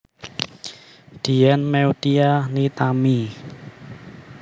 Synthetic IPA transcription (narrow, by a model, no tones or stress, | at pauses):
d̪̥iɛnmɛud̪ianit̪ami